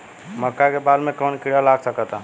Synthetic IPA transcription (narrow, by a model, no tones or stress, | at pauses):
məkːakebad̪mẽkənkiɽalaɡsəkət̪a